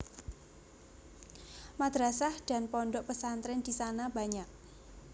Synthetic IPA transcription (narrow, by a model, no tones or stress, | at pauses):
mad̪̥ɾasahd̪̥a̤npɔɳɖɔʔpəsant̪ɾɪnd̪̥isanaba̤ɲak̚